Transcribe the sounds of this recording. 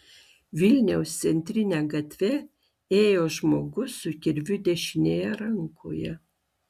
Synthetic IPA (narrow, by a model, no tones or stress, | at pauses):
ʋʲɪlʲnʲɛʊst̪sʲɛnʲt̪ʲɾʲɪnʲæːɡɐt̪ʲʋʲɛ | eːjoːʒmoːɡʊsʊkʲɪɾʲʋʲʊd̪ʲɛʃʲɪnʲeːjɛɾɐŋkʰo̰ːjɛ